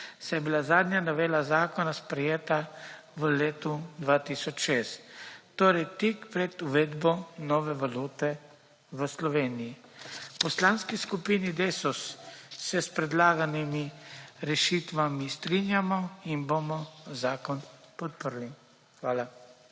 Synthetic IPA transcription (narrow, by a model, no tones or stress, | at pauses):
sajɛbilazaːd̪njanɔʋeːlazaːkɔnaspɾɛjeːt̪a | ʋəleːt̪ud̪ʋaːt̪isɔt͡ʃʃeːst̪ː | oːɾɛjt̪ikpɾɛd̪uʋɛd̪bɔnɔːʋɛʋaluːt̪ɛ | ʋəslɔʋeːnijipɔslaːnskiskupinid̪eːsɔsːɛspɾɛd̪laːɡanimiɾɛʃiːt̪ʋamist̪ɾinjamɔinbomɔzaːkɔn | pɔt̪̚pəɾli | xʋaːla